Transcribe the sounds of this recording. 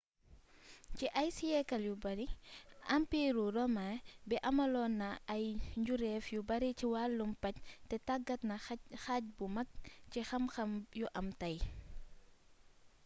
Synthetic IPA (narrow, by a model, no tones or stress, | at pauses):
ciʔɐjsiɛkɐljubɐɾiʔɐmpiːɾuɾɔmabɛʔɐmɐlɔːnːɐɐjɲɟuɾɛfjubɐɾiciwaːlːumpɐctɛtaɡɐtnɐxac̚bumɐk̚cixɐmxɐmjuʔɐmtɐj